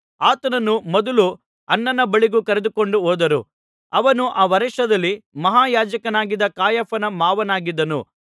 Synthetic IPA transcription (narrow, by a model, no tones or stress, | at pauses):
aːt̪ɐnɐnumɔd̪ɐlu | ɐnːɐnːɐbɐɭiɡukɐɾed̪uko̞ɳɖuɦoːd̪ɐɾṵ | ɐʋɐnuʔaːʋɐɾɛʂɐd̪ɐlːimɐɦaːjaːd͡ʒɐkɐnaːɡid̪ɐkaːjɐpʰɐnɐmaːʋɐnaːɡid̪ːɐnṵ